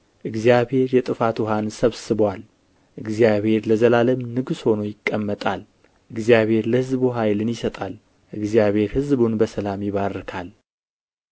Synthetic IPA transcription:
ʔɨɡzijaβhe̞ɾjɛt̪ʼɨfat̪uɦansəβsɨbwal | ʔɨɡzijaβhe̞ɾləzəlaləmnɨɡsho̞no̞jɪkʼːəmːət̪ʼal | ʔɨɡzijaβe̞ɾləhɨzbuɦajlɨnjɪsət̪ʼal | ʔɨɡzijaβhe̞ɾhɨzbunbəsəlamjɪβarːɨkʰal

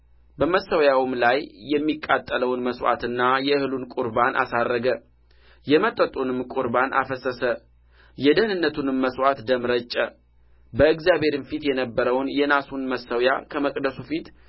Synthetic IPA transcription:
bəməsːəwjawmlajːɛmːikʼːat̪ʼːələwnməswa̰t̪ɨnːajɛɨhɨlunkʼuɾbanʔa̰sarːəɡə | jɛmət̪ʼːət̪ʼunɨmkʼuɾbanʔa̰fəsəsə | jɛd̪əhnɨnːət̪ʰunməswat̪d̪əmɾət͡ʃʼːə | bəɨɡzjabhe̞ɾɨnfit̪jɛnəbːəɾəwnjɛnasunməsəwjakʰəməkʼd̪əsufit̪

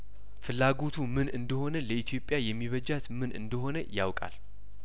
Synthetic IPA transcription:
fɨlːaɡo̞t̪ʰumɨnʔɨnd̪əho̞nələʔit̪ʰjo̞pʼjajɛmːiβəd͡ʒat̪mɨnʔɨ̰nd̪əɦo̞nəja̰wkʼa̰l

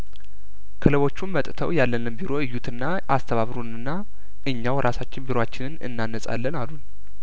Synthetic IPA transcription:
kʰələβo̞t͡ʃːunmət̪ʼt̪ʰə̰wjalːənɨnbiɾo̞ɨjːut̪ʰɨnːa | ast̪ʰəβaβɾunɨnːa | ʔɨɲːawɾʔasat͡ʃːɪnbiɾoat͡ʃːɪnɨnɨ̰nːanːəsʼa̰lːənalun

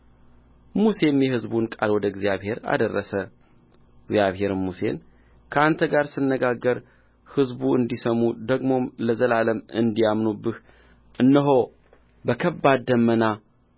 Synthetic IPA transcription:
muse̞mjɛɦɨzbunkʼalwɔd̪əɪɡzijaβhe̞ɾa̰d̪ərːəsə | ɡzjaβhe̞ɾmuse̞̰n | kʰəant̪ʰəɡaɾsɨnːəɡaɡːəɾ | hɨzbuɨnd̪isəmud̪əɡmo̞mləzəlaləmɨnd̪ijamnubːɨh | ʔɨnːəɦo | bəkʰəbːad̪d̪əmːəna

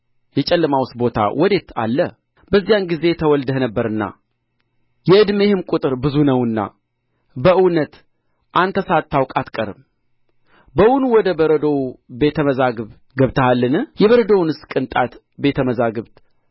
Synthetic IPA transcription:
jɛt͡ʃʼɛlːəmawst̪bo̞t̪ʰa̰wʔɔd̪e̞t̪ʰa̰lːə | bəzːijanɡize̞t̪ʰəwɔld̪əhnəbːəɾɨnːa̰ | jɛʔɨd̪me̞hɨmkʼut̪ʼɨɾbɨzunəwɨnːa̰ | bəʔɨwnət̪ | ʔant̪ʰəsat̪ʰːawkʼat̪kʼəɾɨm | bəwunuwɔd̪əbəɾəd̪owbe̞t̪ʰəməzaɡɨβ | ɡəβt̪ʰəhalːɨnɨhjɛβəɾəd̪ownɨskʼɨnt̪ʼat̪ | be̞t̪ʰəməzaɡɨβt̪ʼ

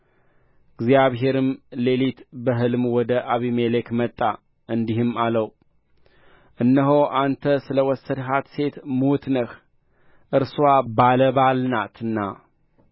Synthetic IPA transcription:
ɡzjaβɦe̞ɾɨmle̞lit̪bəɦɨlmwɔd̪əʔaβimelekmət̪ʼːa | ɨnd̪ihɨmaləw | ʔɨnːəɦoʔant̪ʰəsɨləwɔsːəd̪ɦat̪se̞t̪mut̪nəx | ʔɨɾsuwabaləβalnat̪ɨnːa̰

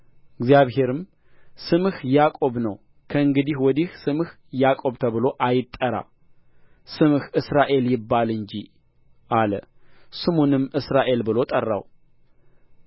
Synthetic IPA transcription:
ɨɡzjaβhe̞ɾɨm | sɨmhjakʼo̞βnəw | kʰəɨŋɡɨd̪ihwɔd̪ihsɨmh | jakʼo̞βt̪ʰəβɨlo̞ʔajɪt̪ʼːəɾa̰ | sɨmhɨsɾaʔe̞ljɪbːalɨɲd͡ʒi | ʔalə̰ | sɨmonɨmːɨsɾaʔe̞lbɨlo̞t̪ʼərːa̰w

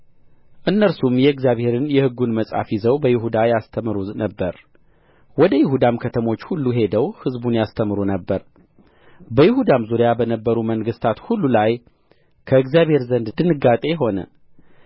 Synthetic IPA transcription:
ʔɨnːəɾsumjɛɨɡzjaβhe̞ɾɨnjɛhɨɡːunməsʼa̰fjizəwbəjɪhud̪ajast̪ʰəmɾunəbːəɾ | wɔd̪əjɪɦud̪amkʰət̪ʰəmo̞t͡ʃːhulːuɦe̞d̪əwhɨzbunjast̪ʰəmɨɾunəbːəɾ | bəjɪhud̪amzuɾijabənəbːəɾuməŋɡɨst̪ʰat̪hulːulaj | kʰəɨɡzjaβhe̞ɾzənd̪d̪ɨnɨɡːat̪ʼe̞ɦo̞nə̰

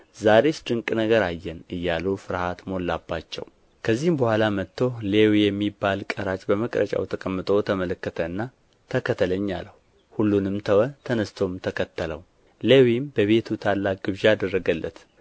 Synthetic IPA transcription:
zaɾe̞sd̪ɨŋkʼnəɡəɾajːɛnɨjːalufɨɾhat̪mo̞lːabːat͡ʃːɛ̰w | kʰəzːihmbəhʷalamət̪ːo̞lewijɛmːibːalkʼəɾat͡ʃʼbəməkʼɾə̰t͡ʃʼa̰wt̪ʰəkʼəmːɨt̪ʼo̞t̪ʰəmələkːət̪ʰəɨnːa | t̪ʰəkʰət̪ʰːələɲːalːəhu | hulːunɨmt̪ʰəwət̪ʰənəst̪ʰo̞mt̪ʰəkʰət̪ʰːələw | lewimbəβe̞t̪ʰut̪ʰalːak̚ɡɨβʒaad̪ərːəɡəlːət̪

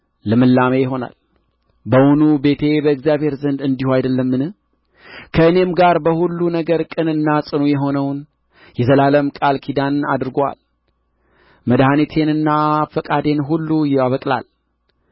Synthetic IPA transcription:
ləmɨlːamejɪɦo̞na̰l | bəwunube̞t̪ʰe̞bəɨkzjaβhe̞ɾzənd̪ɨnd̪ihuajd̪əlːəmːɨnɨh | kʰəɨne̞mɡaɾbəhulːunəɡəɾkʼɨnɨnːasʼɨnujɛɦo̞nəwn | jɛzəlaləmkʼalkʰid̪ana̰d̪ɾɡwa̰l | məd̪hanet̪ʰe̞nɨnːafəkʼad̪e̞nɦulːujɛwaβəkʼla̰l

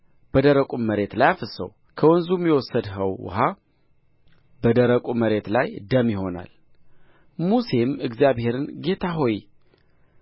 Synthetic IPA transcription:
b̥əd̪əɾəkʼumːəɾe̞t̪lajafəsə̰w | kʰəwɔnzumjɛwɔsːəd̪ɦəww̰ɦa | bəd̪əɾəkʼuməɾe̞t̪lajd̪əmjɪho̞na̰l | muse̞mɨɡzijaβhe̞ɾɨnɡe̞t̪ʰaɦo̞ji

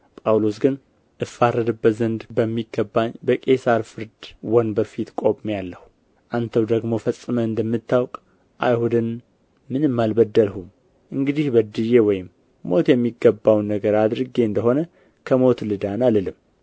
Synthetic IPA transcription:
pʼawlo̞sɡɨn | ʔɨfaɾəd̪ɨbət̪zənd̪bəmːiɡːəbːaɲbəkʼe̞saɾfɨɾd̪wɔnbəfit̪kʼo̞pʼmjalːəhu | ʔant̪ʰəwd̪əɡmo̞fəsʼːɨməɨnd̪əmːɨt̪ːawkʼ | ʔa̰jhud̪ɨn | mɨnɨmːalbəd̪ːəlhum | ʔɨŋɡɨd̪ihbəd̪ɨjewɔjɪm | mo̞t̪jɛmːiɡːəbːawnːəɡəɾad̪ɾɨɡe̞ɨnd̪əɦo̞nə | kʰəmo̞t̪lɨd̪analəlɨm

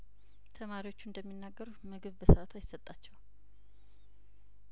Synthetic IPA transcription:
t̪ʰəmaɾiwo̞t͡ʃːuɨnd̪əmːinːaɡːəɾumɨɡɨβbəsat̪ʰajɪsːət̪ʼːat͡ʃːɛw

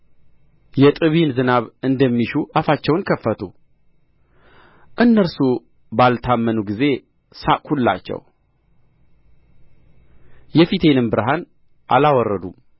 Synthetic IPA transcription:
jɛt̪ʼɨβinzɨnaβɨnd̪əmːiʃuʔafat͡ʃːɛwnkʰəfːət̪ʰu | ʔɨnːəɾsu | balt̪ʰamːənuɡize̞ | sa̰kʰulːa̰t͡ʃːɛ̰w | jɛfit̪ʰe̞nɨmbɨɾɦan | ʔa̰lawɔrːəd̪u

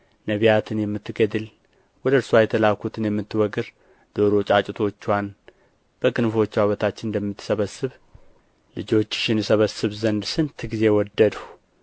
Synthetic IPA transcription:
nəβijat̪ʰɨnjɛmːɨt̪ːɨɡəd̪ɨl | wɔd̪əɨɾswajɛt̪ʰəlakʰut̪ʰɨnjɛmːɨt̪ːɨwɔɡɨɾ | d̪̥o̞ɾot͡ʃʼat͡ʃʼɪt̪ʰo̞t͡ʃːwan | b̥əɡɨnfo̞t͡ʃːwaβət̪ʰat͡ʃːɪnd̪əmːɨt̪ːɨ̥səβəsɨβ | lɨd͡ʒo̞t͡ʃːɪ̥ʃɪnjɛsəβəsːɨβzənd̪sɨnt̪ʰɨɡize̞wɔd̪ːəd̪u

